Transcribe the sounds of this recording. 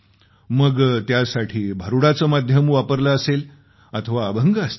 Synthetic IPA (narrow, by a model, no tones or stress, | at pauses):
məɡt̪jasaʈʰiːbʱəɾuɽat͡səmad̪ʱjəmʋapəɾləːsel | ət̪ʰəʋaːbʱəŋɡəst̪e